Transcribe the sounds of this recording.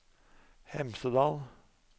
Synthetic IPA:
hɛmsəd̪ɑːl

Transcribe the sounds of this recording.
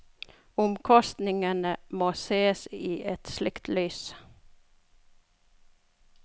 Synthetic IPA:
ʊmkʰɔst̪nɪŋənəmoːseːsiːʔɛt̪slɪkt̪ʰlyːs

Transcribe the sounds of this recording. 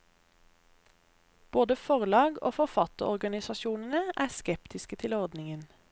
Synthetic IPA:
b̥oːd̪əfɔʁlɑːɡo̰ːfɔʁfɑt̪əʁɔʁɡɑnɪsɑʃuːnənəʔæːʁskɛpt̪ɪskət̪ʰɪlɔʁd̪nɪŋən

